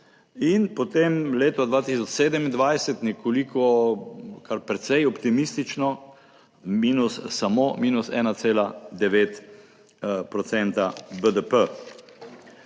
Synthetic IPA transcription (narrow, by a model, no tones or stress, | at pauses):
inpɔt̪emleːt̪ɔd̪ʋaːt̪is̬ɔt͡ʃseːd̪əmind̪ʋajsɛt̪nɛkʰolikɔ | kʰaɾpɾɛt̪sɛjɔpt̪imist̪it͡ʃnɔ | miːnusːamomiːnusɛ̰ːnat̪seːlad̪ɛʋeːt̪ | pɾɔt̪sɛnt̪abəd̪əpə